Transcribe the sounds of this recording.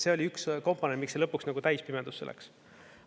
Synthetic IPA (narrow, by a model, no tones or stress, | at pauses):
se̞o̞lʲiyksko̞mpːˑonenmikselɤpːˑuksnɑɡut̪æjspimed̪uselːʔḛks